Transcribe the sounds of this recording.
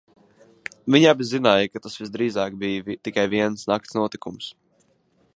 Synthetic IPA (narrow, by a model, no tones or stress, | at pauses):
viɲabʲizinaːjəkat̪asvizd̪ɾiːzaːk̚bijvit̪ikajviɛnsnak̚t̪snuɔt̪ikums